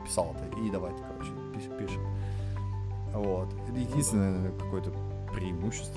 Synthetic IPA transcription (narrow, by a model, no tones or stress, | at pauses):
pʲɪ̥salˠt̪əʔid̪ɐvajt̪ʲə̥kɐɾo̰t͡ɕɪ̥pʲipʲiʂɨm | vot̪ɛt̪jɪdʲinst̪ʲɪnəəəkɐko̞jət̪ə | pɾʲɪɪmuɕːɪ̥st̪